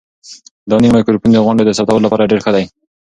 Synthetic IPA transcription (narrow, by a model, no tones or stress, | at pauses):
d̪ɑnimajkʊɾpund̪əɣʊɳɖed̪əsap̚t̪awəlolapɑɾaɖeɾxəd̪aj